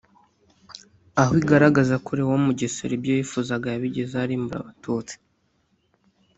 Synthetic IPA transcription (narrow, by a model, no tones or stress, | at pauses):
aɦwiɡaɾaɡazakuɾiwomuɟesḛɾibjojifuzaɡajaβiɟezaːɾimbuɾa̰βatuːt͡si̥